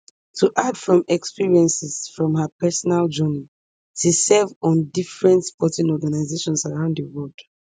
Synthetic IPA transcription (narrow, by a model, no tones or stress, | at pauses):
tʰuʔadfɹɔ̃mɛkspiɹiɛ̃nsɛsfɹɔ̃mhapɛsɔnald͡ʒɔni | tusɛvɔ̃ndifɹɛ̃ntspɔtĩnɔɡanaɪzeʃɔ̃nsaɹãʊ̃ndəwɔld̥